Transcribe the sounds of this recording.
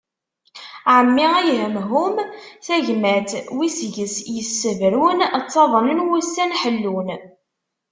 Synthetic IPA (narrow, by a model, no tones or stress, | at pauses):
ʕəmːiʁæjɦəmɦumθæʝmæt̪wisʝəsjəsːəvɾunət͡sːɑðˤənənwusːænħəlːun